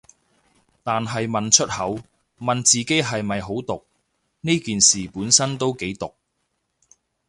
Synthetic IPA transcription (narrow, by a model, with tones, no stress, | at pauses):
t̪aː˨nɦɐ˨jmɐ˨nt͡ʃʰɵ˥t̚hɐ˨˥w | mɐ˨nt͡siː˨ke˨˥jɦɐ˨jmɐ˨jɦo˨˥wt̪ʊ˨k̚ | niː˥kiː˨nsiː˨˩puː˨˥nsɐ˥nt̪o˥wke˨˥jt̪ʊ˨k̚